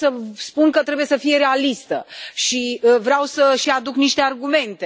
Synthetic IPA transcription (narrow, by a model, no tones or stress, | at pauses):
səspunkət̪ɾe̞buje̞səfije̞ɾe̞alist̪ə̰ʃivɾeawsəʃiad̪ukniʃt̪e̞arɡume̞nt̪e̞